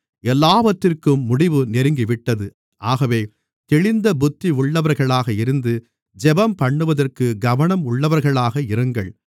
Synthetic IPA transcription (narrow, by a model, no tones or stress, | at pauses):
ɛlːaːʋɐʈrɪrkɯmːʊɽɪʋɯnɛɾɯŋɡiʋɪʈːɐðɯ | ʔaːɣɐʋeː | t̪ɛɻɪnd̪ɐbʊt̪ːiʊɭːɐʋɐɾɣɐɭaːɣɐɪɾɯnd̪ɯ | d͡ʒɛbɐmpɐɳːɯʋɐðɐrkɯɡɐʋɐɳɐmʊɭːɐʋɐɾɣɐɭaːɣɐɪɾɯŋɡɐɭ